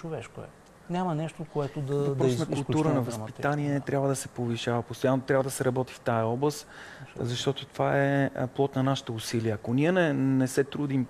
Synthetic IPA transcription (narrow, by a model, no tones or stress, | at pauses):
t͡ʃovɛʃkoɛ̰ | nʲamɐnɛʃt̪okoɛt̪od̪ɐdpɾɔsonɐkʊlˠt̪uɾənɐvɐspit̪aniɛnɛt̪ɾʲjabvəd̪ɐsɛpoviʃavəpost̪ojanːot̪ɾʲabvəd̪ɐsɛɾɐbɔt̪i̥ft̪aəɔblˠəszɐʃt̪ɔt̪ot̪ovaɛplˠɔt̪nɐnaʃi̥t̪əusiliəɐkoniɛnɛnɛsɛt̪ɾud̪im